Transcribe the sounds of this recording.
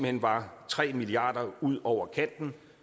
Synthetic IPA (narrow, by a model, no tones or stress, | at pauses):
m̩henʋɑ̈t͡sʰʁɛ̰ːmiliɑ̈ːd̥ɐuð̞̰ˠɒʊ̰ɐkʰæn̰d̥n̩